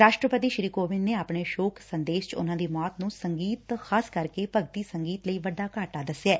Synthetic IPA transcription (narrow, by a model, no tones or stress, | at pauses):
ɾaːʃʈɾəpət̪iːʃɾiːkoːʋɪnneːaːpɳeːʃoːkʰsənd̪eːʃt͡ʃʊ̰nãːd̪iːmɔːt̪nũːsəŋɡiːt̪xʰaːskəɾkeːpəɡt̪iːsəŋɡiːt̪ləiːʋəɖːaːkaːʈaːd̪əsɛː